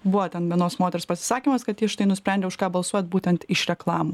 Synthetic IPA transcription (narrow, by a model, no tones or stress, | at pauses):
bʊʋoːt̪ʲɛnʋʲiɛnoːsmoːt̪ʲɛɾʲspɐsʲɪ̥sɑːkʲimɐskɐt̪jɪʃt̪ɐɪnʊsʲpʲɾʲɛnʲdʲɛʊʃkɑːbɐlˠsuɔjɛt̪buːt̪ʲɛnt̪ɪʃɾʲɛklˠɑːmuː